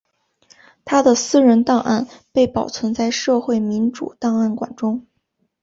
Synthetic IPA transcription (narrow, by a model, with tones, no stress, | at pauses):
t̪ʰa˥d̪ə˨sɹ̩˥ɻə˧˥nt̪ɑ˥˧ŋʔa̰˥˩npe˥˩ɪpɑ˨˩ʊt͡sʰwə˧˥nt͡sa˥˧ɪʂɤ˥˧xwe˥˩ɪmi˧˥nʈ͡ʂṵ˨˩t̪ɑ˥˧ŋa˥˩nkwa̰˨˩nʈ͡ʂʊ˥ŋ